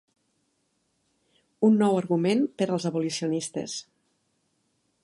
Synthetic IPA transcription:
unːɔwəɾɣumenpəɾəlˠzəβulisiunist̪ə̰s

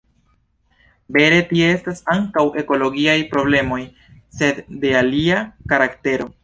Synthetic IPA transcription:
be̞ɾe̞tiee̞stasaŋkawʔe̞ko̞lo̞ɡiajpɾo̞ble̞mo̞j | se̞dːe̞aliakaɾakte̞ɾo̞

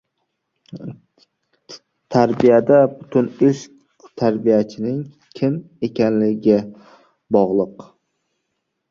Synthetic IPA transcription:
t̪ʰaɾbijad̪abʊt̪ʰʊnɪʃ | t̪ʰaɾbijat͡ʃʰɪnɪŋ | kʲʰɪm | e̞kʲanlɪɡʲɪ | bɒʁlˠɨq

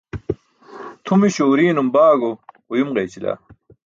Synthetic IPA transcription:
t̪ʰumiɕoːɾiːnumbaːɡo | jumʁejt͡ɕila̰ː

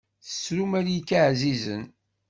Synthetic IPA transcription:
θəsɾumæɾjikːaʕzizə̰n

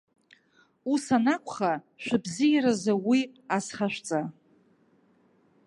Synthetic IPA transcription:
usanakʷʰʼχa | ʃᶣʷɪbzijɾazawiasχaʃᶣʷt͡sʼa

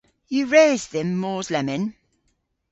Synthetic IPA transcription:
jəɹeːzðə̃mːɔːzlɛmɪ̃n

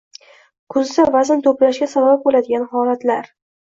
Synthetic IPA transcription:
kʰʊzd̪avazɪnt̪ʰoplaʃɡʲasabab̚bolad̪ɪɡʲanhɒlat̪laɾ

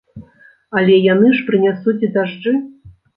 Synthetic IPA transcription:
ɐlʲɛjanɨʂpɾɨnʲasut͡sʲid̪aʐd͡ʐɨ

